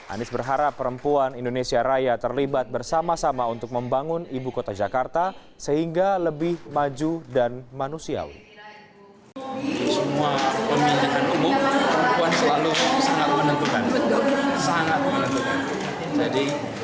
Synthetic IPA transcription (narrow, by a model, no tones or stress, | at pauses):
ʔa̰nɪsbərɦaɾapːəɾəmpuanindonesiaɾajat̪ərlibat̪̚bərsamasamaunt̪ʊk̚məmbaŋʊnibukot̪ad͡ʒakart̪a | səhiŋɡaləbɪhmad͡ʒudanmanusia̰wḭ | səmuapəmbinakanumʊpəɾəəmpuansəlalusaŋat̪̚mənənt̪ukanbət̪ʊlsaŋat̪̚mənənt̪ukan | d͡ʒadi